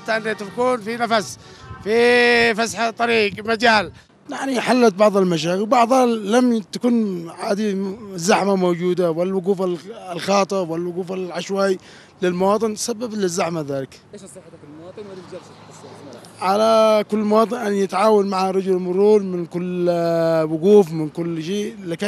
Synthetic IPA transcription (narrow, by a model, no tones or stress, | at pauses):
at̪ːaʔɪnːat̪akuːnfinafas | fifasħt̪ˤːɑɾiːqmad͡ʒaːl | jaʕniħalːat̪̚bɑʕðˤɑlmaʃ̬aːkɪbɑʕðˤhalamt̪akuːnʕaːd̪izaħmamod͡ʒuːd̪awalːawʊquːfallxɑːt̪ˤɑwalːawʊɡuːfalʕaʃwaj | lɪlmawɑːt̪ˤɨnsabːablɪzːaħmaðaːlɪk̪ː | ʕalakʊlːmawɑːt̪ˤɨnʔanːjɪt̪ʕaːwanmaʕaɾˤɑd͡ʒʊlmʊɾˤuːɾmɪnkʊlː | wʊɡuːfmɪnkʊlːʃeːlɪka